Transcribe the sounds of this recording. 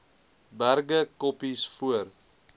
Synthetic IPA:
bærɡəkɔpisfuər

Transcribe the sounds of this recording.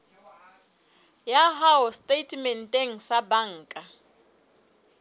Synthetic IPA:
jaɦaʊstʼetʰʼmɛn̩tʼeŋ̩sabaŋ̩ːkʼa

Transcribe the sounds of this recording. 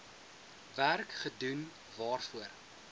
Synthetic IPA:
værkχədun | vɑːrfuər

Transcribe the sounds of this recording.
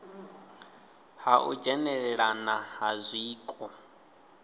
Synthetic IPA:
haʔṵd͡ʒɛnɛɺɛɺanaɦazʷiːkʼɔ

